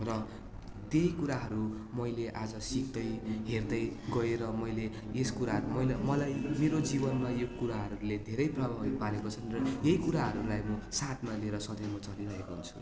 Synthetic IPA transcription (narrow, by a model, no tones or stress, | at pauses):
rʌ | t̪ejkuɾaɦʌɾumʌjleʔad͡zʌsik̚d̪ʌjɦerd̪ʌjɡʌeɾʌmʌjle | eskuɾaɦʌɾumʌjlmʌlajmeɾod͡zibʌnmajokuɾaɦʌɾuled̪ʱeɾʌjprʌbʱabipaɾekot͡sʰʌnrʌjejkuɾaɦʌɾulajmʌsat̪ʰmalieɾʌsʌd̪ʌmʌt͡sʌɾiɾʌɦekoɦunt͡sʰu̥̰